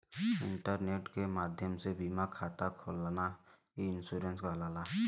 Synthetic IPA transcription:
ɪ̃ɳʈəɾneːʈkemaːd̪ʱjəmsebimakʰaːt̪akʰoːlana | iɪnsuːɾenskalaːla

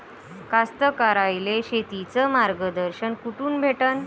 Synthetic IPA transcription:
kast̪əkaɾajleɕet̪it͡səmaɾɡəd̪əɾɕənkuʈuːnbʱeʈən

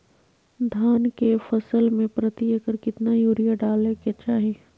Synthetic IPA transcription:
d̪ʱaːnkefɐsəlmẽpɾət̪iekəɾkɪt̪najuːɾijaɖaːleket͡ʃaːɦe

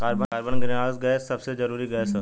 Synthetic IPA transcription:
kaːɾbəaːɾbənɡɪɾaːsɡɛːsːɐbsed͡ʒɐɾuːɾiɡɐːsə

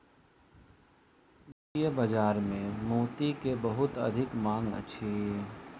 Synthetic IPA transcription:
ijəbɐd͡ʒaːɾmẽmuːt̪ikebɐɦʊt̪ɐ̰d̪ʱɪkmãːŋɡə̰tːʃʰeː

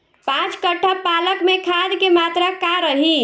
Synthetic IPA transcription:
pãt͡ʃkəʈʰəpaləkmekʰad̪kemat̪ɾakaɾəɦi

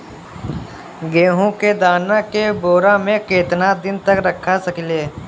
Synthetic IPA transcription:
ɡeːɦũked̪aːnakeboːɾamẽkeːt̪nad̪ɪnt̪əkɾəkʰːasɐkleː

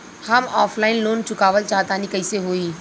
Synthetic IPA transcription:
hɐmɔːfʰlaːɪnloːnt͡ʃʊkaːʋəlt͡ʃaːɦt̪aːnikɐiseɦoːiː

